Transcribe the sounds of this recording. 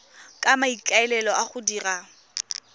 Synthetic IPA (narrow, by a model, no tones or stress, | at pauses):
kʼamaikʼaɛlɛlɔʔaχʊdiːra